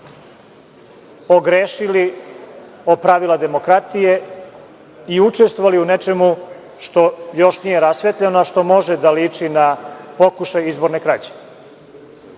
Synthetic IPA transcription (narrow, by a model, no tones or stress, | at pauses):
o̞ɡɾeːʃili | opɾaʋilˠad̪e̞mo̞kɾat̪ije̞ | iut͡ʂest̪voʋaliunet͡ʃe̞mu | ʃt̪o̞jo̞ʃnijeɾasʋet̪ʎenoaʃt̪o̞mo̞ʒed̪aliːt͡ʂinapo̞kuʃajizbo̞ɾnekɾat͡ɕe̥